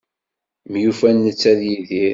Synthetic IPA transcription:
mjufænːət͡sːæðjiðiɾ

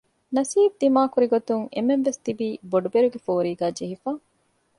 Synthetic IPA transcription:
nɐsiːb̚d̪imaːkuɾiɡot̪uŋemːenʋest̪ibiːboɖubeɾuɡefoːɾiːɡæːd͡ʒeɦifaː

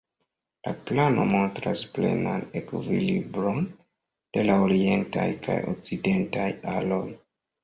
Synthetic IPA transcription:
laplano̞mo̞ntɾasplḛnanekvilibɾo̞n | d̥e̞laoɾie̞ntajkʰajo̰k̚t͡side̞ntajalo̞j

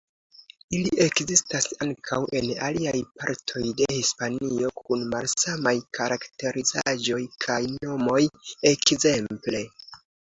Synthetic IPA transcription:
iliʔe̞kzistasaŋkʰawʔe̞na̰liajpaɾtʰo̞jde̞hispanio̞kunmalsamajkʰaɾakte̞ɾizaʒo̞jkʰajno̞mo̞je̞kze̞mple̞

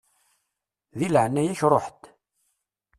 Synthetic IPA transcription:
ðilʕnːæjæçrˤoħt̪

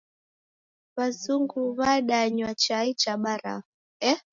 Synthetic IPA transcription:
βazuŋɡuβaɗaɲwat͡ʃait͡ʃaɓaɾa̰ | ɛ

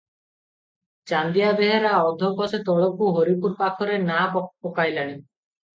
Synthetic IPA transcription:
t͡ʃand̪ijabeɦeɾaɔd̪ʱɔkɔset̪ɔɭɔkuɦoɾipuɾpakʰɔɾenapɔpɔkajlaɽ̃i

